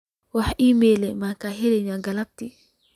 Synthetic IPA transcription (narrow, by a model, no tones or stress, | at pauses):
wahʔimelɛmakaɦeɾiɲaɡalap̚ti